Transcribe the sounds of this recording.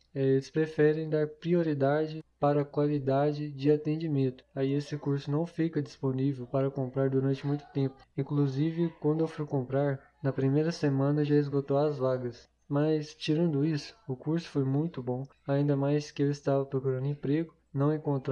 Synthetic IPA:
ɛelɪspɾefɛɾẽj̃d̪aɾpɾioɾid̪ad͡ʒɪpaɾɐkwalid̪ad͡ʒɪd͡ʒɪat̪ẽnd͡ʒimẽnt̪ʊ̥aiesɪkuɾsʊnɐ̃w̃fikɐd͡ʒisponivewpaɾɐkõmpɾaɾd̪uɾɐ̃nt͡ʃɪmũj̃t̪ʊ̥t̪ẽpʊ̥ĩkluzivɪkwɐ̃nd̪ʊewfujkõmpɾaɾ | nɐpɾimejɾɐsemɐ̃nɐʒaɪzɡot̪owɐzvaɡɐs | mɐst͡ʃiɾɐ̃nd̪ʊisʊ̥ʊkuɾsʊ̥fojmũj̃t̪ʊbõaĩnd̪ɐmajskɪewɪst̪avɐpɾokuɾɐ̃nd̪ʊẽpɾeɡʊ | nɐ̃w̃ẽkõnt̪ɾ

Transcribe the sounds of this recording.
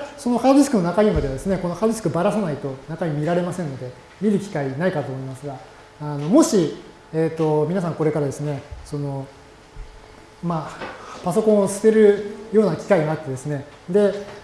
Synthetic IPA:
so̞no̞haoisɨ̥kɯno̞nakaɲ̟imad̪ead̪e̞sɨne̞kono̞hat̪oʑʲiskɯbaɾasanait̪o̞nakaɲ̟imʲiɾaɾe̞masẽ̞nːo̞d̪e̞ | mʲiɾɯ̟kʲi̥kainaikat̪oːmoimasɨɡaː | no̞mo̞ɕi | eːt̪ːo̞mʲinas̬ãŋko̞ɾe̞kaɾad̪e̞sɨne̞so̞no̞ | mapaso̞kõ̞ɰ̃osɨ̥t̪e̞ɾɯ̟joːnakʲi̥kaiɡaat̪ːe̞d̪e̞sɨne̞ | d̪e̞

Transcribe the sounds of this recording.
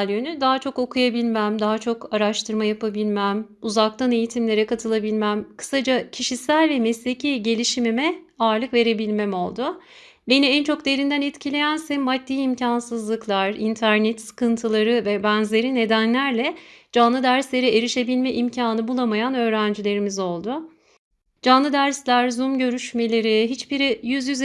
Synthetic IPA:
ljønyd̪aɦat͡ʃʰo̞ko̞kʰujabilʲmæmd̪aɦat͡ʃʰo̞kaɾaʃt̪ʰɯɾmajapabilʲmæm | uzak̚t̪ʰane̞jit̪ʰimlʲe̞ɾɛkat̪ʰɯlˠabilʲmæmkʰɯ̥sad͡ʒacʰiʃisælʲvɛmɛslʲecʰiɟe̞lʲiʃimimɛ | aɾlˠɯkve̞ɾe̞bilʲmɛmo̞lˠd̪ʊ | beniɛnt͡ʃʰo̞kd̪e̞ɾind̪ænɛt̪cʰilʲe̞jænsɛnmad̪̚ːiːimcʰansɯzlˠɯklˠaɾint̪ʰæɾnɛt̪sɯ̥kɯnt̪ʰɯlˠaɾɯvɛbænzlʲe̞ɾine̞d̪ænlʲæɾlʲɛd͡ʒanlˠɯd̪æɾslʲe̞ɾieɾiʃe̞bilʲmɛʔimcʰaːnɯbulˠamajanø̞ːɾænd͡ʒilʲe̞ɾimizo̞lˠd̪ʊ | d͡ʒanlˠɯd̪æɾslʲæɾzumɟø̞ɾyʃme̞lʲe̞ɾiɦit͡ʃbiɾijyzjyz

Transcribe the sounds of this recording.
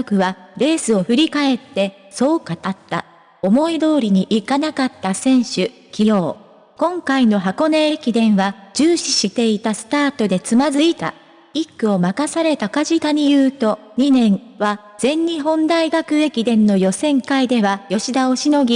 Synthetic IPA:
okɯ̟βaɾe̞ːsɨo̞ɸɯ̟ɾʲikae̞t̪ːe̞ | so̞ːkat̪at̪ːa̰ | o̞mo̞id̪o̞ːɾʲiɲ̟iʔikanakat̪ːasẽ̞ɰ̃ɕɨ | kʲijo̞ː | kõ̞ŋkaino̞ɦako̞neekʲid̪ẽ̞ɰ̃βad͡ʑɨːɕiɕit̪e̞it̪asɨ̥t̪aːt̪o̞d̪e̞t͡sɨmazɨit̪a̰ | ikːɯ̟o̞makasaɾe̞t̪akaʑit̪aɲ̟ijɯ̟ːt̪o̞ɲ̟inẽ̞ɰβa | z̥ẽ̞ɲ̟ːiɦõ̞nd̪aiɡakɯ̟e̞kʲid̪ẽ̞nːo̞jo̞sẽ̞ŋkaid̪e̞βajo̞ɕid̪ao̞ɕino̞ɡʲi

